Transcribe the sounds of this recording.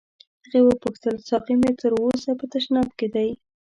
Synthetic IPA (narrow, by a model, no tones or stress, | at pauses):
d̪̥əɣewəpəxt̪əlsɑqimet̪əɾosapət̪aʃnɑbked̪aj